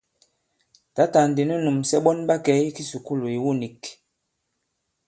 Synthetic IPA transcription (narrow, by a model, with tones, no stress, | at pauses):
ta˨˦ta˨n˨di˨nu˦nu˨msɛ˦ɓɔ˦nɓa˦kɛ˨˦i˦ki˦su˨ku˦˨lo˨i˨wu˦˨ni˨k